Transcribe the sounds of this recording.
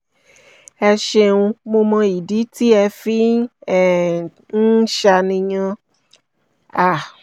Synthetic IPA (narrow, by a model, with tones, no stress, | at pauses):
ɛ˧ʃe˧ũ˧mo˧mã˧i˨di˨˦ti˦ɛ˧fi˦˨ | n̩˦ʃa˧nĩ˧ɲã˧ | a˨